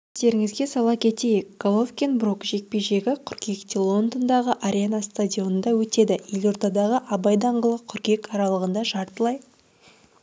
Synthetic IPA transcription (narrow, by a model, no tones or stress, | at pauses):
ɪzd̪e̞ɾɪŋɪzɡʲe̞sɑlˠɑkʲʰe̞t̪e̞jɪk̚ɡ̥olˠofkʲenbrokʒe̞k̚pe̞jʒe̞ɡʲɪqʰʏɾkʲʰe̞kt̪ilˠo̞nd̪ond̪ɑʁəʔaɾʲenast̪adʲio̞nənd̪ɑwɵt̪e̞d̪ɪje̞lʲo̞ɾd̪ɑd̪ɑʁəʔɑbɑjd̪ɑɴʁəlˠəqʰʏɾkʲe̞kɑɾɑlˠəʁənd̪ɑʒɑɾt̪əlˠɑj